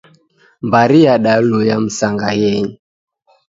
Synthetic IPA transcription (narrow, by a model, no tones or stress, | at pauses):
mbaɾiaɗalujam̩saŋɡajɛɲ